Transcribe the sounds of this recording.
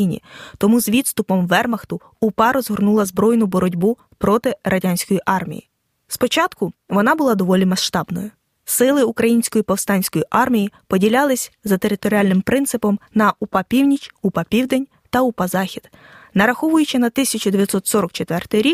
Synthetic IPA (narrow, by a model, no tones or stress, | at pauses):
inʲḭt̪ɔmuzʋʲid̪st̪ʊpɔmʋɛrmɐxt̪ʊ | ʊpɑɾɔzɦɔrnulˠɐzbɾɔjnʊbɔɾɔdʲbu | pɾɔt̪ɪɾʔɐdʲanʲsʲkɔjiʔɑrmʲḭjḭ | spɔt͡ʃɑt̪kʊʋɔnɑbʊlˠɑd̪ɔʋɔlʲimɐʃt̪ɑbnɔ̰jʊ | sɪlˠɪukɾɐjinʲsʲkɔjipɔwst̪ɑnʲsʲkɔjiʔɑrmʲijipɔdʲilʲɑlˠɪsʲzɐt̪eɾɪt̪ɔɾʲiɑlʲnɪmpɾɪnt̪sɪpɔmnɐʔupɑpʲiwnʲit͡ʃupɑpʲiwd̪enʲ | t̪ɐupɑzɑxʲid̪̥ | nɐɾɐxɔʋʊjʊt͡ʃɪnɐt̪ɪsʲɐt͡ʃʊd̪eʋʲjɐt̪sɔt̪sɔɾɔkt͡ʃet̪ʋɛrt̪ɪjɾʲik̚